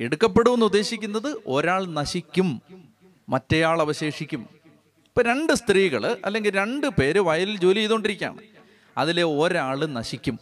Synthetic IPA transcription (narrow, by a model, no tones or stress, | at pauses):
eɽukːɐpːe̞ɽuʋenːud̪ːe̞ːɕikʲːunːɐðɨʔo̞̰ɾaːɭnɐɕikʲːumː | ɐtːe̞jaːɭɐʋɐɕe̞ːʂikʲːum | ipːoːɾe̞ɳɖɨst̪riːɣɐ̰ɭɐ̰lːe̞ŋɡilɾe̞ɳɖɨpe̞ːɾɨʋɐjɐlild͡ʑo̞ːliiðoɳɖiɾikʲːa̰ːɳɨ̰ | ɐ̰ðile̞oɾaːɭɨnɐɕikʲːum